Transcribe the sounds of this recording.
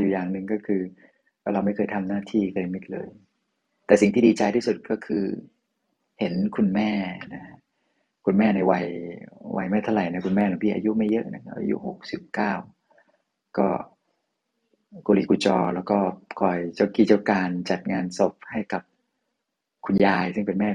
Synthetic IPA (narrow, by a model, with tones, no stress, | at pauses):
juː˨˩jaː˨˩ŋnɯ˨˩ŋkɔː˥˩kʰɯː˧ | waː˥˩ɾa˧wma˥˩jkʰɤː˧jt̪ʰa˧mnaː˥˩t̪ʰiː˥˩kʰɤː˧mi˦˥t̪̚lɤ̰ː˧j | t̪ɛː˨˩si˨˩ŋt̪ʰiː˥˩iː˧t͡ɕa˧jt̪ʰiː˥˩su˨˩t̪̚kɔː˥˩kʰɯː˧ | he˩˦nkʰu˧nmɛː˥˩na˦˥ | kʰu˧nmɛː˥˩na˨˧˩jwa̰˧˩jwʔa̰˧˩jma˦˥˩t̪ʰa˥˩ɾa˨˩jna˦˥˩kʰu˧nmɛː˥˩la˨˦pʰiː˧˥˩ʔa̰˧ju˦˥ʔma˥˩jːɤ˦˥ʔna̰˦˧˩kʰa˦p̚ʔa̰˧jṵ˦˥ho˨˩k̚si˨˩p̚kaː˥˩w | kɔ̰ː˥˩ | ko˧lḭː˨˩kʰu˧t͡ɕɔ̰ː˧lɛ̰ː˦˥wkɔː˥˩kʰɔː˨˩jt͡ɕa˥˩wkiː˧˩t͡ɕa˥˩wkaː˧nt͡ɕa˨˩t̪̚ŋaː˧nso˨˩p̚ha˥˩jka˨˩p̚ | kʰu˧njaː˧jsɯ˥˩ŋpe˧nmɛː˥˩